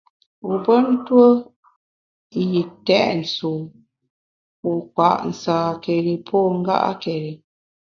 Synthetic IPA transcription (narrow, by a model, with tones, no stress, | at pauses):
u˨pə˦n̩˦twə˦ | ji˨tɛ˦ʔn̩˨su˨ | u˨kwa˨ʔn̩˨saː˨ke˨ɾi˨pʰɔ˦˨ŋ̩˦ɡa̰˦ʔa̰˦ke˨ɾi˨